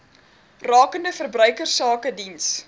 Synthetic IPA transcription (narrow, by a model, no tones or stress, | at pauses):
rɑːkəndəfərbrœɥkərsɑːkədins